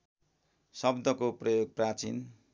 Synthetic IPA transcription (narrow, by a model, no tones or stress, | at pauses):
sʌbd̪ʱʌkoprʌjoɡ̚prat͡sḭn